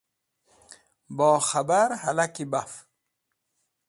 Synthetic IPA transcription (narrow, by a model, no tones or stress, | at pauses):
bɔːxabaɾhalakibaf